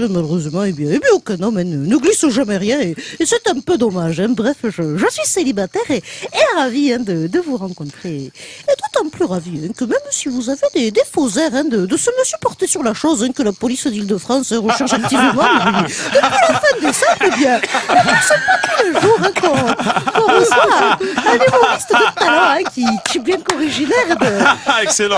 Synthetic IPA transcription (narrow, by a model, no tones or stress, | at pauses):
ɛmaløʁøzəmɑ̃ebjɛ̃ebɥjɛ̃okɛ̃nɔmɛ̃nənəɡlisəʒamɛʁjɛ̃eesɛt̪ɛ̃pød̪ɔmaʒɛ̃bʁɛfʒəʒəsɥiselibat̪ɛʁeːʁaviɛ̃d̪əd̪əvuʁɑ̃kɔ̃t̪χeed̪ot̪ɑ̃plyʁaviɛ̃kəmɛmsivuzaved̪ed̪efozɛʁɛ̃d̪əd̪əsəmjəsypɔʁt̪esyʁlaʃozɛ̃kəlapɔlisd̪ild̪əfχɑ̃sɛ̃ʁəʃɛʁʒak̚t̪ivəmɑ̃ɛɛd̪əpilafɛ̃d̪əsaɛbjɛ̃nəɛsɛpat̪uləʒuʁɛ̃kɔ̃kɔ̃ʁəvwaɛ̃nymɔʁist̪əd̪ət̪alɑ̃ɛ̃kʲikʲiɛbjɛ̃kɔʁiʒinɛʁd̪əɛksel̃